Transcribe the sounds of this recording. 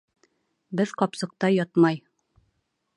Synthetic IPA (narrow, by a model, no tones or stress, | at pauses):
bɘðqɒpsɤ̆q̚t̪ɑjɒt̪mɑj